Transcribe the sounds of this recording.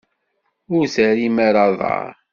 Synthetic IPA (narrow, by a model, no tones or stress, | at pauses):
ʊɾsæɾimaɾɑðˤɑ̰ɾˤ